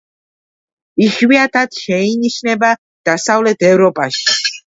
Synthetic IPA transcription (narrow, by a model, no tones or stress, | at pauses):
iʃwiat̪ʰat̪ʃɛiniʃnɛba | d̪̥asavlɛt̪ʰɛvɾɔpʼaʃi̥